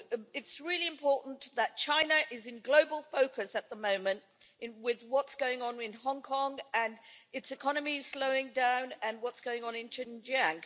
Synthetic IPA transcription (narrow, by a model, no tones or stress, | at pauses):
ɪtsɹɪlˠiɨ̃mpʰɔɹˑʔn̩ðət̚t͡ʃʰãɪ̃nəʔɪzɨ̃nɡloʊbəl̩ˠfoʊkʰɨsɨt̪̚ðəmõʊ̃mɨ̃nt | wɪðwɒtsɡ̥oʊɪ̃ŋə̃nɪ̃nɦɒ̃ŋkʰɒ̃ŋə̃nɨtsɨkʰɒnəmiz̥sləʊɪ̃ŋdãʊ̃nə̃nwɒtsɡ̥oʊɪ̃ŋə̃nɨ̃nt͡ʃʰɪ̃nd͡ʒæ̃ŋ